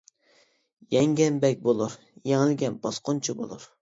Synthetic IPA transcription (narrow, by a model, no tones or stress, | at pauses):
jɛŋɡʲɛnbɛk̚ʲbolˠuɾ | jeŋɪlɡʲɛnb̥ɑsqʰont͡ʃʰubo̰lˠuɾ